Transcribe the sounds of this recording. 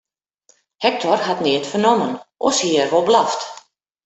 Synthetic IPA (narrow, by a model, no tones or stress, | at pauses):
hɛk̚tʰɔrhatnɪətfərnomənʔo̰shiərʋolˠblaft